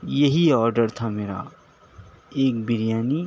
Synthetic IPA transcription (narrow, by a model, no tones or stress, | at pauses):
jɐɦiɔːɾɖəɾt̪ʰameːɾa̰ | eːk̚bɪɾijaːni